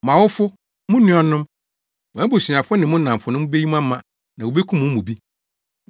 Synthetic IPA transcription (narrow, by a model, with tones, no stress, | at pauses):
mã˨wʊ˦fʊ˦ | mʊ̃˦nʊ̃˦ɔ˦nʊ̃˦m | wæ˦bo˨si˨ã˨fʊ˦nɪ̃˨mʊ̃˦nã˨fʊ˨nʊ̃˦m̃˦be˦ɲi˦m˦ã˦mã˨ | nã˨wo˨be˦kʰũ˦mũ˦mũ˨bi˦